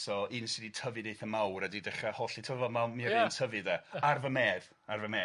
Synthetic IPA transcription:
sɔinsɪditʰəvɨdejθəmawɾadidɛχahɔɬitʰɔvəmamiintʰəvɨdaarvəmeːð | arvəmeː

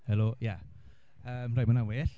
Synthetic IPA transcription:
hɛloja | əːmrajmanaweːɬ

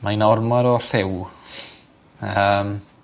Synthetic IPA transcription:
majnɔrmaɾɔɬɪw | əm

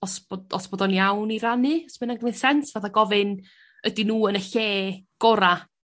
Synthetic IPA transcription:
ɔsbɔdɔ̰sb̥ɔdɔnjawniɾanɨsmɛnaɡəmeðsɛnsv̥aθaɡɔvɨn | ədinuːənəɬeːɡ̥ɔɾa

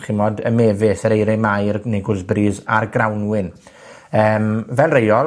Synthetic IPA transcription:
χɪmɔdəmɛvɪsəɾejɾɛmajrneɡʊlzbriːðarɡrawnwɪn | əːmvɛlˠrejɔl

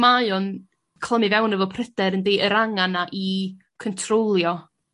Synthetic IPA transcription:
maɨɔn | kʰl̥ˠəmɨvɛwnəvɔpʰrədɛɾəndeːʔəɾaŋanaʔi | kʰɔntʰrolˠjɔ

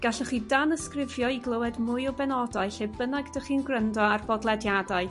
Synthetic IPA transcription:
ɡ̥aɬəχidanəskrɪvjɔiɡlˠəwɛdmʊjɔbɛnɔdaɨɬebənaɡdəχinɡrəndɔarbɔdlˠɛdjadaɨ

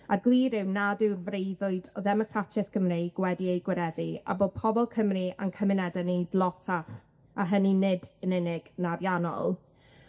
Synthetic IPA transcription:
arɡwiːɾɪwnadɪwrvrejðʊɨdɔðɛmɔkʰratʰɪskʰəmriɡ̥wɛdiejɡwɪɾɛðia̰boːd̚pʰɔbɔlˠkʰəmriʔa̰nkʰəmɪnɛdanedlˠɔtʰa | arɦəninɪdənɪnɪɡ̥naɾjanɔ̰lˠ

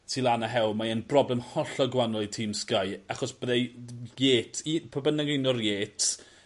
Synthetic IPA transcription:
sʰilˠanaɦɛlˠmaənbrɔblɛmhɔɬɔɡwanɔlˠitʰiːmskajaχɔsb̥əðɛjeːtʰipʰɔbənɪɡɪnɔrjeːtʰ

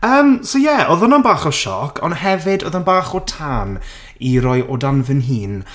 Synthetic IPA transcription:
əːmsojɛʔoðɔnanbaːχɔʃɔ̰kʰɔ̰nhɛvɪdɔ̰ðanbaːχɔtʰaːn | iɾɔjɔdanvɨnɦiːn

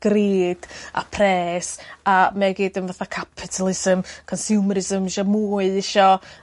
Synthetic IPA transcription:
ɡ̥riːd̥a̰pʰrɛːsamɛɡiːdənvaθakʰapʰɪtʰəlˠɪsəmkʰɔnsjuːməɾɪzəmɪʃɔmuːɨɪʃɔ

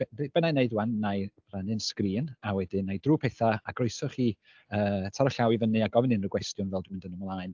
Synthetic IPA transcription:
ɛrbɛnajneɨdwanːaj | ranɨnskriːnawɛdɨnajdruːpʰɛθaaɡroɨsɔχiː | əːtʰaɾɔɬawivənɨaɡɔvɪnɨnrəɡwɛstjʊnvɛlˠdmɪndənəmlˠaːɨn

